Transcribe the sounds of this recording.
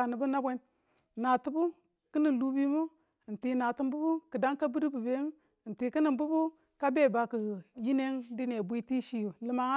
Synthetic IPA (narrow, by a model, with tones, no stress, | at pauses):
a˨ni˨bu˦na˦bʷe˦n | na˨tu˦bu˦ | ki˦ni˨lu˦bi˦mu˦˨ | n̩˨ti˨na˨ti˦mbu˦bu˦kɨ˨da˦ŋka˦bu˦ɾi˦bu˨be˦˨ | n̩˨ti˨ki˦ni˨mbu˦bu˦ | ka˦be˦˨ba˨ku˨ji˦ne˦ŋdi˦ne˨bʷi˦ti˦ʃi˦ju˨lɨ˨ma˨˦ŋ˦